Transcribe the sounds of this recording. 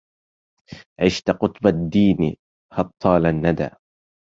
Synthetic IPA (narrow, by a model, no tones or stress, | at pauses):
ʕɪʃt̪qʊt̪ˤbad̪ːiːn̰ | hɑt̪ˤʰːɑːlanːad̪a̰ː